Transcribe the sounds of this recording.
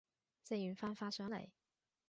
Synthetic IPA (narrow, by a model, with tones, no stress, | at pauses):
se˥˧jy˨˥nfaː˥nfaː˥sœː˨˥ŋlḛ˨˩j